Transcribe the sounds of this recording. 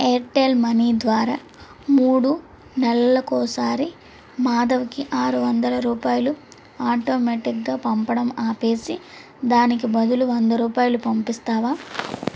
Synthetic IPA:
eːɾʈeːlmɐniːd̪ʋaːɾaː | muːɽu | nɛlɐlɐkɔːsaːɾi | maːd̪ɐʋɐkiʔaːɾuʋɐnd̪ɐlɐɾuːpaːjɐlu | aːʈo̞ːmeːʈikɡaːpɐmpɐɽɐmaːpe̞ːsi | d̪aːnik̬ibɐd̪uluʋɐnd̪ɐɾuːpaːjɐlupɐmpist̪aːʋaː

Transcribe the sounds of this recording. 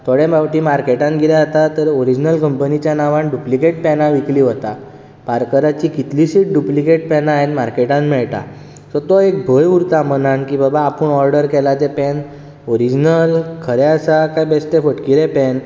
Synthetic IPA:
t̪ʰoɽẽbawʈiːmaɾkeʈãnɡʱilaət̪at̪əɾoɾid͡ʑnəlkəmpənit͡ɕjanaʋaɳɖuplikeʈ̚pɛnaʋikliːɦot̪a | paɾkəɾat͡ɕikit̪lisiʈ̚ɖuplikeʈpɛnaɦenmaɾkeʈãnmɛɭt̪a̰ | sət̪ɔek̚bʱəjuɾt̪amənankiːbəbaːpəɳɔɾɖəɾkɛlat̪ɛpɛn | oɾid͡ʑnəlkʰəɾɛəsakajbest̪efəʈkiɾepɛn

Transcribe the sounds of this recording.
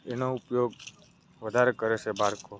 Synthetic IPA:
enoupjoɡ | ʋəd̪ʱaɾekəɾet͡ʃʰebʱaɾko

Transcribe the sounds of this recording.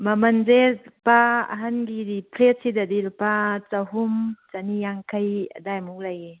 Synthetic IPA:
mɐmɐnzeɾpaɐ̰ɦanɡiɾipʰɾet̚sidadilpat͡sɐɦumt͡ʃanijaŋkʰɐjɐ̰dajmuk̚laje

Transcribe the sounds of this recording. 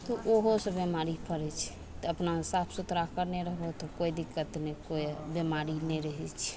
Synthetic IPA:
t̪ɔʔoɦosẽbemaɾipʰəɾɛt͡ʃʰɛ̥ | t̪ɔəpnamesapʰsut̪ɾakəɾnɛɾəɦbot̪ɔkojd̪ikːət̪nekojbjemaɾinɛɾəɦɛt͡ʃʰɛ̥

